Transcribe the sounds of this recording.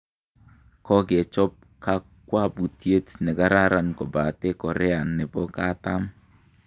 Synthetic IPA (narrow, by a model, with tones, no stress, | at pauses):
kɔ˦ɡe˨t͡ʃɔ˦p̚ | ka˦ | kwa˦bu˨tje˦tnɛ˨ɡa˦ɾa˦ɾa˨nkɔ˨ba˨te˦kɔ˨ɾɛ˦a˨nːɛ˨bɔ˦ka˦ta˦m